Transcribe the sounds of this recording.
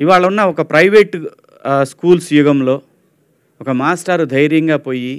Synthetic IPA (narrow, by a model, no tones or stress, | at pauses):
iʋaːɭɐunːɐɔkɐpɾɐjʋeːʈ | skuːlsjuɡɐmlo̞ː | ɔkɐmaːsʈɐɾud̪ʱɐjɾjɐŋɡaːpo̞ːji